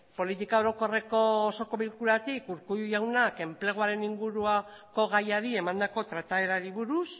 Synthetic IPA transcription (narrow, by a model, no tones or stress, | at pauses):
po̞lit̪ikaoɾo̞ko̞re̞ko̞ːso̞ko̞βilkuɾat̪ikuɾkujawnake̞mple̞ɣoaɾe̞niŋɡuɾuako̞ɣajaɾie̞mand̪ako̞t̪ɾat̪ae̞ɾaɾiβuɾus